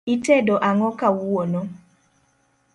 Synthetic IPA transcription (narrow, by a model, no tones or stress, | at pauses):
itɛdoʔaŋɔkawuwonɔ